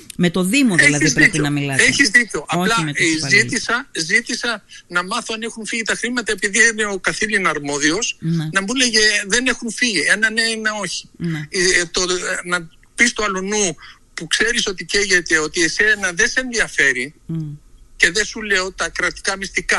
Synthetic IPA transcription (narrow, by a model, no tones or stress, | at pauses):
met̪oðimoelɐðiizðicoɐmilɐeçizðico̞ʔɐplɐzit̪isɐzit̪isɐnɐmɐθoɐne̞xunfiʝit̪ɐxɾimɐt̪ɐe̞piðiine̞o̞kɐθilinɐɾmo̞ðio̞snɐbuneʝeðe̞ne̞xunfiʝiɐnɐneineo̞çi̥ | t̪onɐ | pist̪uɐlonu | pukse̞ɾiso̞t̪ice̞ʝet̪e̞o̞t̪iesenɐðe̞seenðiɐfe̞ɾi | ce̞ðe̞sule̞o̞t̪ɐkɾɐt̪i̥kɐmist̪ikɐ